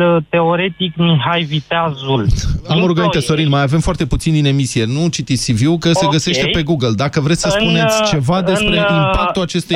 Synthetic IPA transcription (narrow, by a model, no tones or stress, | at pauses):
t̪e̞oɾe̞t̪ikmiɦajvit̪eazulamoɾuɡəmint̪eso̞ɾinmajave̞mfoart̪e̞put̪sind̪ine̞misije̞nut͡ʃit̪itsʲsivjukəse̞ɡəse̞ʃt̪epe̞ɡuɡəld̪akəvɾe̞t̪sʲsəsp̪une̞t̪ʲt͡ʃe̞vad̪e̞sp̪ɾeimpakt̪ulat͡ʃe̞st̪u